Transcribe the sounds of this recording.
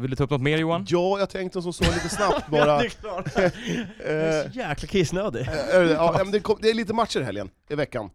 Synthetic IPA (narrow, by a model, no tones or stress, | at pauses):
vɪlət̪ʰɑɵpnɔt̪meːɾjuːanjɑːjɑɡt̪ʰɛŋkt̪əɔs̬ɔsɔːɡliːt̪əsnapt̪bɑːɾa | jɛːklakʰɪsnøːd̪ɪɛɑɛmɛnd̪ɛkʰɔmd̪ɛːɭiːt̪əmat̪ʂəɾɦɛ̰ljə̰n | ɪvɛkːa̰n